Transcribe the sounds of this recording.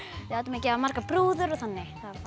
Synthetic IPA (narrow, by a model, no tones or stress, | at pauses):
jɪhat̪ʏmɛhcɪavamar̥kapɾuːðʏɾɔɣθanːɪθa